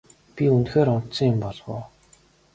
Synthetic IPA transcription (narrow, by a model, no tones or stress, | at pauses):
pʲiunxeːɾʊn̥t̪sə̆ŋɪmpɔɮʁʊ̰ː